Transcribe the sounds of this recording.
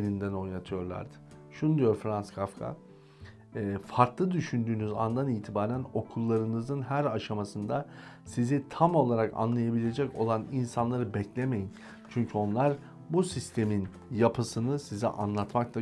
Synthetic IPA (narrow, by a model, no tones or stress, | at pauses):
nind̪æno̞jnat̪ʰɯjo̞ɾlˠa̰ɾd̪ɯ̥ | ʃunud̪ijo̞ɾfɾanskʰafkʰa̰ | faɾt̪lˠɯd̪yʃynd̪yːnyza̰nd̪aniːt̪ʰibaːɾæno̞kʰulˠːaɾɯnɯzɯnɦæɾaʃamasɯnd̪a | sizit̪ʰamo̞lˠaɾaka̰nlˠajabilʲe̞d͡ʒɛco̞̰lˠaninsanlˠaɾɯbɛclʲeme̞jin | t͡ʃʰyɲcʰyo̞nlˠaɾ | busist̪ʰe̞min | japʰɯsɯnɯsizḭʔa̰nlˠat̪maklˠa